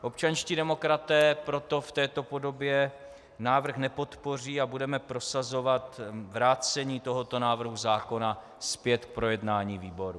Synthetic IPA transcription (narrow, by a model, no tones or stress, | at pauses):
ʔo̞p̚t͡ʃanʃciːdɛmo̞kɾat̪ɛːpɾo̞t̪o̞ft̪ɛːt̪o̞po̞do̞bjɛ | naːvr̩xnɛpo̞t̪po̞r̝iːabudɛmɛpɾo̞sazo̞vat̪vɾaːt͡sɛɲiːt̪o̞ɦot̪o̞naːvr̩ɦuzaːko̞na | spjɛt̪k̚pɾo̞jɛdnaːɲiːviːbo̞ɾu